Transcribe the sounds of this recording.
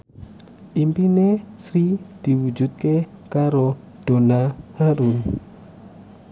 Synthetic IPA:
ʔimpinesɾid̪̥iwud͡ʒut̪̚kekaɾo | d̪̥onahaɾu

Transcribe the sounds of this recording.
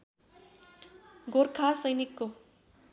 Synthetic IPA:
ɡorkʰasʌjnikːo

